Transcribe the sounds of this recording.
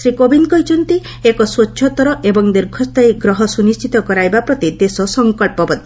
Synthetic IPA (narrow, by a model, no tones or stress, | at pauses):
sɾikobinkɔjt͡ʃʰɔnt̪i | ekɔswɔtːʃʰɔt̪ɔɾɔʔebɔŋd̪iɾɡʰʱɔst̪ajɡɾɔɦɔsunist͡ʃʰit̪ɔkɔɾajbapɾɔt̪id̪esɔsɔŋkɔɭpɔbɔd̪ʱi